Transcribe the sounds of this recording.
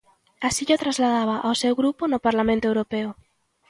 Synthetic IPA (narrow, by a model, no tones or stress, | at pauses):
asiʎot̪ɾazlaðaβ̞aʔawsewɣɾupʊnʊpaɾlamẽnt̪oewɾopeʊ